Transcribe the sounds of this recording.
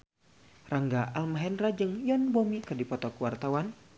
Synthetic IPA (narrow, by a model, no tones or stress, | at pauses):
raŋɡaʔalmaɦɛnrad͡ʒɨŋjɔnbomikɨrdipɔt̪ɔkuwart̪awan